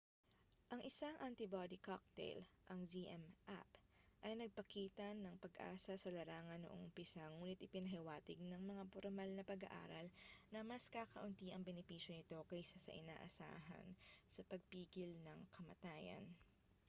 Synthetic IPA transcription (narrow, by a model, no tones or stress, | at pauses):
ʔɐŋʔɪsaŋʔɐnt̪ɪbad̪ikak̚t̪ɛ̰jlʔɐŋziʔɛmʔa̰pʔɐjnɐɡ̚pɐkiːt̪ɐnɐŋpɐɡʔa̰ːsɐsɐlɐɾaːŋɐnːoʔo̰ŋʊpɪsaŋuːnɪt̪̚ʔɪpɪnɐɦɛwaːt̪ɪɡ̚nɐŋmɐŋapoɾmalnɐpɐɡɐ̰ʔa̰ːɾɐlnɐmɐskaːkɐʔʊnt̪iʔɐŋbɛnɪpiːʃjo̞nɪt̪o̞kɐjsasɐ̰ʔɪna̰ːʔɐ̰sa̰ːɦɐ̰nsɐpɐɡ̚piːɡɪlnɐŋkʰɐmɐ̰t̪aːjɐ̰n